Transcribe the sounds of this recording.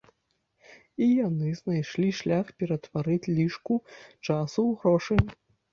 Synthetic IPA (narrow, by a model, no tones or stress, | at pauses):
ijanɨznajʂlʲiʂlʲaxpʲɛɾɐt̪vaɾɨt͡sʲlʲiʂkut͡ʂasuwɣɾɔʂɨ